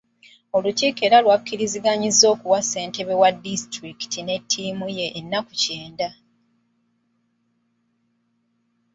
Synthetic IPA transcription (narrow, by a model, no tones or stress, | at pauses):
o̞luciːke̞ɾalwakːiɾiziɡaɲizːo̞ːkuwase̞ːnte̞βe̞wadistɾiki̥tine̞tʰːiːmuje̞ʔːnːakuceːnda